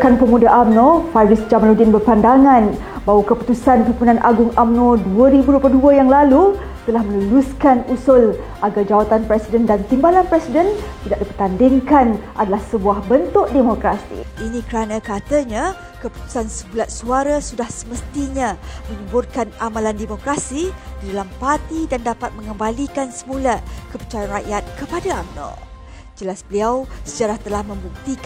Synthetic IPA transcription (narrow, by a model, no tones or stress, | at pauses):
kanpəmũdaʔamnofavisd͡ʒamalodinbərpandaŋãn | bawakəpu̥t̪usanpipunanʔaɡʊŋamnoduəɾibuduəp̬ləduəjaŋlalu | t̪əlahmə̃nəluskanusʊlʔaɡard͡ʒawat̪anpɾɛsidəndant̪imbalanpɾɛsidənt̪idaʔdipərt̪andɪŋkanʔadalahsəbuahbənt̪ʊʔdemokɾasḭʔinĩkəɾanãkat̪əɲa | kəpu̥t̪u̥sansəmulat̪̚suaɾasudahsəməst̪iɲãməɲubʊrkanamãlandemokɾasididalampart̪idandapat̪̚mə̃ŋəmbalikansəmulakəpət͡ʃajanraʔjat̪̚kəpadaamnɔ̰ | d͡ʒəlasbəliawsəd͡ʒaɾaht̪əlahmə̃mbuk̚t̪ik